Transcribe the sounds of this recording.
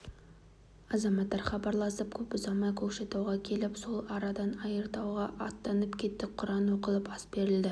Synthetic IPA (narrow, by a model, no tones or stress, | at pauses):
ɑzɑmɑt̪ːɑɾχɑbɑɾlˠɑsəp̚kʲʰɵpʊzɑmɑkʲʰɵkʃe̞t̪ɑwʁɑkʲʰe̞lɪpso̞lˠɑɾɑd̪ɑnɑjəɾt̪ɑwʁɑʔɑt̪ːɑnəpkʲʰe̞t̪ːɪqʰʊɾɑnwo̞qəlˠəpɑsbe̞ɾɪld̪ɪ